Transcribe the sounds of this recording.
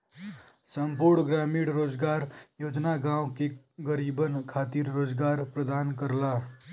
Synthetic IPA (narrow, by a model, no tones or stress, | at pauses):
səmpuɾɳɡɾaːmiɽɾoːd͡ʒɡaːɾjoːd͡ʒnaɡãːwke | ɡəɾibənkʰaːt̪iɾɾoːd͡ʒɡaːɾpɾəd̪aːnkəɾla